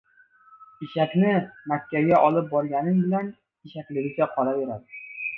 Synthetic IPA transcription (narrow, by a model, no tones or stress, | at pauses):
ɪʃakʲnɪmakʲːaɡʲaʔɒlˠɪp̚bɒɾɡʲanɪmbɪlan | ɪʃakʲlɪɡʲɪɡʲaqʰɒɾabe̞ɾad̪ɪ